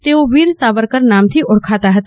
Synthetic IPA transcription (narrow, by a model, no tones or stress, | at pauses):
t̪eːoʋiːɾsaːʋəɾkɐɾnaːmt̪ʰiʔʊɽkʰaːt̪aɦət̪